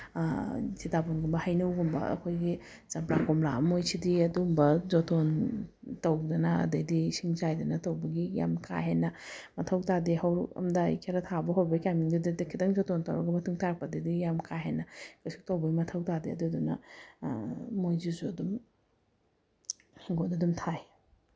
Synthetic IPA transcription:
zitaponɡumbɐhajnɐwɡumbɐ̰ɐ̰kʰojɡi | z̥ɐmpɾakomla̰mojsʰidiɐdumbɐzɔtʰon | tɐwdɐnɐɐ̰dɐjdisiŋzajdɐnɐtɐwbɐɡija̰mkʰa̰ɦenːɐmɐtʰɐwtadeɦawɾɐ̰mda̰kʰeɾɐtʰabɐɦoɾbɐkamiŋdudidɐkʰidɐŋzɔtʰɔntɐwɾɐ̰ɡɐmɐtʰuŋtʰaɾpɐdɐjdijamkʰaɦenːɐkasu̥k̚tɐwbɐɡimɐtʰɐwtadeɐ̰dudunɐ̰ | ojzizuɐdum | hiŋɡonɐdumtʰaj

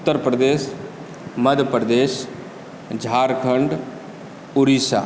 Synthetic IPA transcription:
ʊt̪ːəɾpɾəd̪eːs | məd̪ʱjəpɾəd̪eːs | d͡ʒʱaːɾkʰəɳɖ | ʊɾisa̰ː

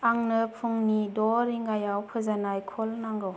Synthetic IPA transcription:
aŋnɯpʰuŋnidɔɾiŋɡajawpʰɯzanajkʰɔlnaŋɡɯw

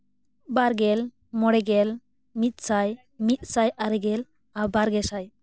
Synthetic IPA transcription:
baɾɡɛl | mɔɽɛɡɛl | mit̪̚ˀsaj | mit̪̚ˀsajaɾɛɡɛl | abaɾɡɛsaj

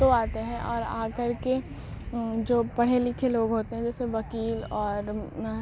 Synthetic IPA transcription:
oaːt̪eɦɛ̃ʔɔːɾa̰ːkɐɾke | d͡ʒoːpɐɽ̤elɪkʰeloːɡɦoːt̪eɦɛ̃d͡ʒɛːseʋɐkiːlɔːɾ

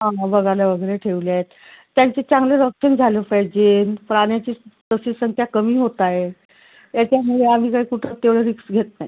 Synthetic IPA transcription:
ɦãɦbəɡaljaʋəɡəɾeʈʰeʋljaet̪ː | jaɲt͡ɕet͡sãŋɡleɾəkɕənd͡zʱaləːpajd͡ʑenpɾaɽjat͡ɕiːt̪əsiːsəŋkʰjakəmiːɦot̪aje | jat͡ɕjamuɭeam̤iːkaɦiːkuʈʰət̪eʋɭeɾiksɡʱet̪naj

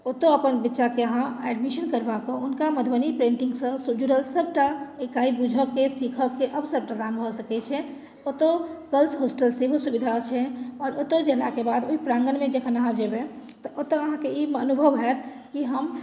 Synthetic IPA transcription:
ot̪oəpənbitːʃakeəɦãɛɖmiʃənkəɾbakə̃unkaməd̪ʱbənipɾẽɳʈĩŋɡsə̃sud͡ʒuɽəlsəb̚ʈaekaibud͡ʒʱəkːesikʰəkːeʔəbsəb̚pʈəd̪anbʱɔsəkɛt͡ʃʰɛ | ot̪ɔɡəlsɦosʈəlsebʱosubid̪ʱat͡ʃʰɛɔɾot̪əd͡ʒelakebad̪oipɾãŋɡənmẽd͡ʒekʰənəɦãd͡ʒebet̪ɔʔot̪ɔəɦãkeimənubʱəʋɦɛt̪ʰ | kiɦəm

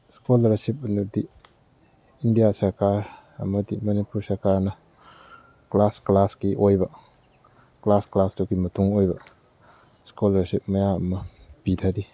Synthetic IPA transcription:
skolɐɾsip̚ɐnudi | indijasɐɾkaɾ | ɐ̰mɐdimɐnipuɾsɐɾkaɾnɐ | klasklaskiʔojbɐ | klasklasduɡimɐtuŋojbɐ | skolɐɾsip̚mɐjaɐmɐpitʰaɾi

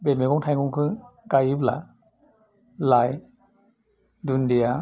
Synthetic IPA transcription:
bemeɡɔŋtʰajŋuŋkʰɯkajɯpla̰ | laj | dundia

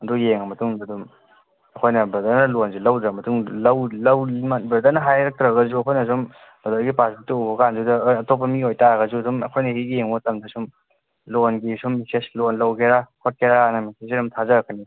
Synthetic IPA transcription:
dujeŋɐmɐtuŋudum | ɐkʰojnɐbɐdaɾnɐlonzulɐwdɾɐmɐtuŋlɐwlɐwmabɾɐdɐɾnɐɦajɾɐk̚tɾɐɡɐzuɐkʰojnɐzom | b̥ɐdɐɾɡipasbituuɦokandudɐɐtop̬ːɐmiojtaɡɐzudumɐkʰojnɐɦijeŋotɐmdɐsum | lonɡisumːiseslonlɐwkʰeɾakʰot̚kʰeɾaanɐmises̬iɾɔmtʰazɐɾɐkʰani

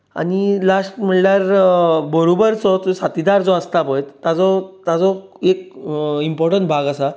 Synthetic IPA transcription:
a̰nilasʈm̤əɳljaɾbəɾobəɾt͡sɔt͡sɔsat̪id̪aɾt͡sɔəst̪apəjt̪ːat͡sɔt̪at͡sɔekimpɔɾʈəɳʈ̚bʱaɡasa

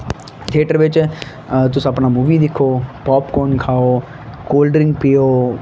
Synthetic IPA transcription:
t̪ʰeːʈəɾʋɪt͡ʃ | t̪ʊsɐpnamuːʋid̪ɪkʰoːpɔːpkɔːnkʰaːoː | koːlɖɾɪ̃ŋɡpijoː

